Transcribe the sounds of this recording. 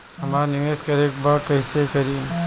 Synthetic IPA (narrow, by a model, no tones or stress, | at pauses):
ɦɐmaːɾnɪʋeːskɐɾeːk̚baːɾkɐɪsekɐɾiː